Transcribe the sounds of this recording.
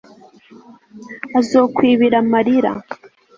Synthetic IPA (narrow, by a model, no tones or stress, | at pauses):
azo̞ːkwiːβiɾamaɾiɾa̰